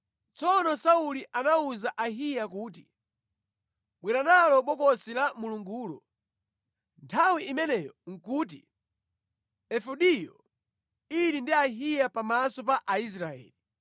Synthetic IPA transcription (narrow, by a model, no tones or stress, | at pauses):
t͡sɔnɔsauliʔanauzaʔaɦijakuːt̬i̥ | ɓwɛɾanalɔɓɔkɔsilamuluŋɡuːlɔ̰ | ntʰawiimɛnɛːjɔŋ̩kuːt̬ḭ | ɛfuɗijɔ | iɾindiaɦijapamasɔp̬aʔais̬ɾaɛ̰ːli